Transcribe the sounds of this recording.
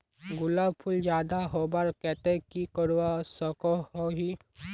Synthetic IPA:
ɡʊlaːbpʰʊld͡ʒjaːd̪aɦobaɾkɛt̪ẽkikəɾwasɔkɔɦoɦi

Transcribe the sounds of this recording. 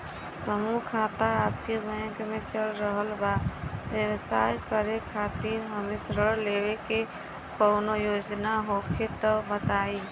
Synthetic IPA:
səmukʰat̪aap̚kebə̃kmet͡ʃəlɾəɦəlbabjəwsajkəɾekʰat̪iɾɦəmesɾəɾlebeke | kənojod͡ʒnaɦokʰet̪əbət̪ai

